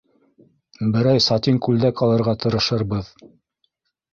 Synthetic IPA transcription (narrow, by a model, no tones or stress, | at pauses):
bɘ̆ɾæjsɑt̪iŋkʉld̪ækɑlˠɤ̆ɾʁɑt̪ɤ̆ɾɤ̆ʃɤɾbɤð